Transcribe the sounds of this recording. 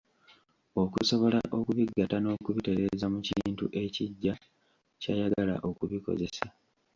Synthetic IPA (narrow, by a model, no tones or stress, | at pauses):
o̞kuso̞βo̞laʔo̞kuβiɡːatano̞kuβite̞ɾe̞zamuciːntṵʔe̞ciɟːa | cajaɡala̰ʔo̞kuβiko̞̰ze̞sa